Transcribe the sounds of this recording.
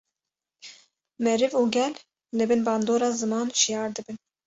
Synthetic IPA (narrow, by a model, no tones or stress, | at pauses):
mɛɾɨvuːɡʲɛl | lɨbɨnbɑːnd̪oːɾɑːzɨmɑːnʃijɑːɾd̪ɨbɨn